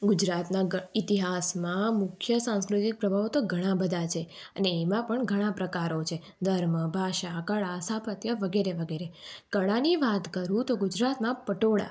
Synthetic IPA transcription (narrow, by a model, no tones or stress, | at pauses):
ɡʊd͡ʒɾat̪nãit̪iɦasmãmʊkʰjəsãnskɾut̪ik̚pɾəbʱaʋt̪oɡʱəɽ̃ãbəd̪ʱat͡ʃʰeəneːmãpəɳɡʱəɽ̃ãpɾəkaɾot͡ʃʰe | d̪ʱəɾməbʱaʃakəɭasapət̪jəʋəɡeɾeʋəɡeɾekəɭaniʋat̪kəɾũt̪oɡʊd͡ʒɾat̪mãpəʈoɭa̰